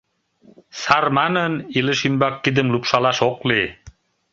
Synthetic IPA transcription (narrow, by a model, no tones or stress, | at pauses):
saɾmɑnə̆niləʃinbɑkːid̪ə̆mlupʃɑlɑʃoqli